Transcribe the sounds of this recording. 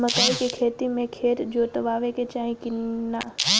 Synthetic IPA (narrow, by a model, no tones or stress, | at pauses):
məkaːikekʰeːt̪imẽkʰeːɾd͡ʒot̪ɐʋaːʋeket͡ʃaːɦĩkɪnna̰ː